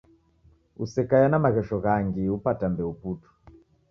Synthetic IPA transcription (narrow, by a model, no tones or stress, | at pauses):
usɛkajanamaɣɛʃɔɣaŋɡiupatambɛuputu̥